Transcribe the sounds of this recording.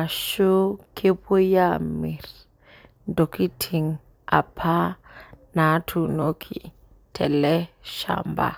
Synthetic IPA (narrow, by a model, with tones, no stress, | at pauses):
a˨ʃo˦kʰe˦pu˦ja˦mi˨r | ndo˨ki˦tʰi˨ŋ | a̰˨pʰa˦na˨˦tʰu˨no˦kʰi˨ | tʰɛ˨lɛ˦ʃa̰˨mba̰˨